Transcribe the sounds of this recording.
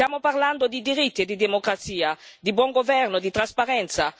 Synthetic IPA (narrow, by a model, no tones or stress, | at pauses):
jaːmoparland̪od̪id̪iɾit̪ːied̪id̪emokɾat̪siːad̪ibwɔŋɡovɛrnod̪it̪ɾaspaɾɛnt̪sa